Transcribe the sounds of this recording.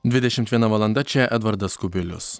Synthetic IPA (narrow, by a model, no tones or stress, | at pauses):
d̪ʲvʲɪd̪ʲɛʃʲɪmt̪ʋʲiɛnɐʋɐlˠɐnd̪ɐt͡ʃʲɛʔɛd̪vɐɾd̪ɐskʊbʲɪlʲʊ̰s